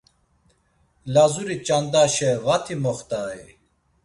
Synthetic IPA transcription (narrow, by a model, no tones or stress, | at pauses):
lazuɾit͡ʃand̪aːʃɛvat̪ʰimɔχt̪aːi